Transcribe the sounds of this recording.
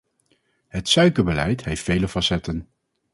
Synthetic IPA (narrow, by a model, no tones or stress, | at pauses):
ɦətsœɥkəɹbəlɛjtɦejftfejləfɑsɛtən